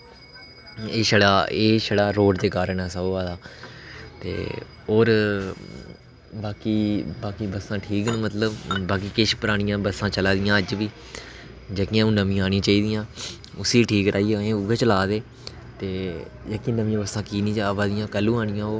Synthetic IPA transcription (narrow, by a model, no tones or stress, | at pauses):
eːʃəɽaːeːʃəɽaːɾoːʈd̪eːkaːɾəɳɛːsəbaːd̪aː | t̪ḛː | oːɾ | baːkiːbaːkiːbəsãːʈʰiːknmət̪ləbbaːk̬iːkɪʃpəɾaːɽ̃ɪjãːbəsːãːt͡ʃəlaːd̪ɪjãːəd͡ʒʋiː | d͡ʒəːkɪãːũːnəmĩːaːɽ̃ĩːt͡ʃaːiːd̪ɪjãː | ʊsiːʈʰiːkɾʔaːiːeẽːʊɡet͡ʃəlaːd̪eː | t̪eːd͡ʒeːkiːnəmĩãːbəsãːkiːnĩːd͡ʒbaːd̪ɪjãːkəlːũːaːñɪjãːoː